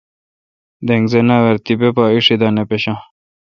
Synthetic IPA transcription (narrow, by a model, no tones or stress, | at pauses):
d̪eŋɡzenaweɾt̪ibepaːiʂid̪aːnepeɕã